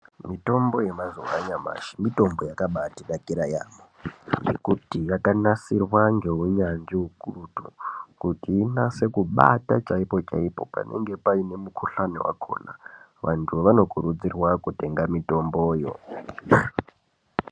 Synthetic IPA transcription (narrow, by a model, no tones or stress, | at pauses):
mito̞mbo̞jemazowaɲama̰ʃi̥mito̞mbo̞jakaɓatiɗakiɾaja̰moŋɡḛkutijakanasirwaŋɡe̞uɲand͡ʒiɦukurutukutiːnase̞kuɓa̰tat͡ʃaipo̞t͡ʃa̰ipo̞̰pa̰nʔe̞̰ŋɡepaine̞mukʰuɬanḭwa̰kʰo̞̰na̰ | ʋantʰuʋano̞kuɾud͡zirwakute̞ŋɡamito̞mbojo̞̰